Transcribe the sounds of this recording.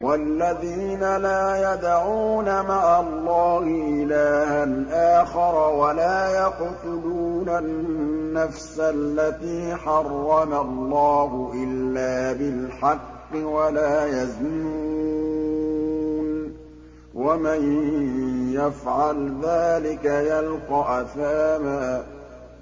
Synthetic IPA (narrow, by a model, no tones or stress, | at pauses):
wʔalːaðiːnalaːjad̪aʕuːnamaʕalˤːɑːhɪʔɪlaːhanʔaːxɑɾˤwalaːjɑqt̪ʊluːnanːafsalːat̪iːħɑrˤːɑmalˤːɑːɦʊʔɪlːaːbɪlħɑqːɪwalaːjaznuu | n | waman | jafʕalðaːlɪkajalqɑʔaθaːmaː